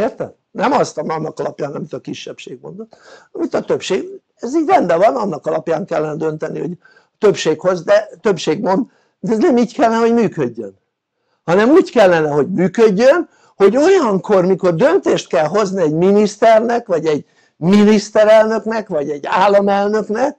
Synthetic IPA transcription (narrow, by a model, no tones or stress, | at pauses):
eːrt̪ɛm | nɛmɒst̪ɒmɒnːɒkɒlɒpjaːnɒmit̪ɒkiʃːɛpʃeːɡmo̞̰nd̪ot̪ːɒmit̪ɒt̪øpʃeːɡ | ɛziːɟʲrɛnd̪ɛvɒnɒnːɒkɒlɒpjaːŋkɛlːɛnɛd̪ø̞nt̪ɛniho̞̰ɟ | t̪ø̞pʃeːkho̞zd̪ɛt̪øpʃeːɡmo̞nd̪ | d̪ɛznɛmiːckɛlːɛnɛɦo̞ɟmyːkøɟːø̰n | hɒnɛmuːckɛlːɛnɛɦo̞ɟmyːkøɟːøn | ho̞ɟo̞jɒŋkʰo̞rmiko̞rd̪ø̞nt̪eːʃt̪̚kɛlɦo̞zniɛɟminist̪ɛrnɛkʋɒɟɛɟ | minist̪ɛɾɛlnø̞knɛkvɒɟɛɟːaːlːɒmɛlnø̞knɛk̚